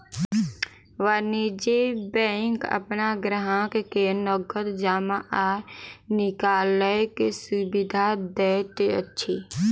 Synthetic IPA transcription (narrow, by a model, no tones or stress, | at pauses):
ʋanid͡ʒebɛ̃ŋkə̰pnaɡɾəɦãkkenɔɡət̪d͡ʒaːmaʔanɪkaːləkesubid̪ʱad̪ɛt̪eə̰tːʃʰi